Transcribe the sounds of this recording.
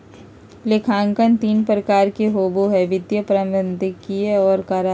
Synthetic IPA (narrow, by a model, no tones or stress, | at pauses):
lekʰãːŋkənt̪iːnpɾəkaːɾkeɦoːboɦɛʋɪd̪jəpɾə̃mənd̪ʱɪkieɔːɾkaːɾa